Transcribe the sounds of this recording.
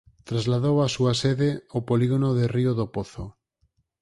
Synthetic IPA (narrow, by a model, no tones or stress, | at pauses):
t̪ɾazlaðowasuaseðeopoliɣonoðerioðopoθo̰